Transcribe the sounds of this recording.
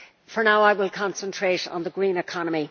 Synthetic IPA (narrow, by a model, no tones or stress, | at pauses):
fə˞naʊaɪwɪlˠkʰɑ̃nsə̃ntʰɹ̥eɾn̩ðəɡɹĩːnɪkʰɑnəmi